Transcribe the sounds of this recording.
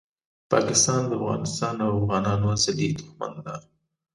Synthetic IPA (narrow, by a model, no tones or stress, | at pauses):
pɑkɪst̪ɑnd̪əafɣɑ̰nɪst̪ɑnawafɣɑnɑnozad̪id̪ʊxma̰nd̪a